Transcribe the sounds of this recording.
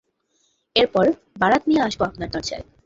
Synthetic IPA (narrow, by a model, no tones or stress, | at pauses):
eɾpɔɾ | baɽat̪nijeaʃboapnaɾd̪ɔɾd͡ʑa̰e